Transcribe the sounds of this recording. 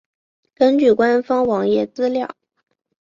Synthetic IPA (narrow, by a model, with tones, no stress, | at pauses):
kə˥nt͡ɕy˥˩kwa˥nfɑ˥ŋwɑ˧˥ŋjɛ˥˩t͡sɹ̩˥ljɑ˥˩ʊ